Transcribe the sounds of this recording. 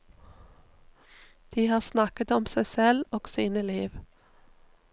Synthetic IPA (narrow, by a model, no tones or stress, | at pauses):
d̪̥iːhɑːʁsnɑkət̪ɔmsæɪsɛloːɡ̥siːnəliːʋ